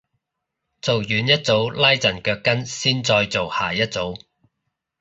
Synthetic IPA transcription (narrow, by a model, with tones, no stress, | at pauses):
t͡so˨wjyː˨˧njɐ˥t̚t͡so˨˥wlɐ˥jt͡sɐ˨˩nkœː˧kːɐ˥nsiː˥nt͡sɔː˧jt͡so˨whaː˨˩jɐ˥t̚t͡so˨˥w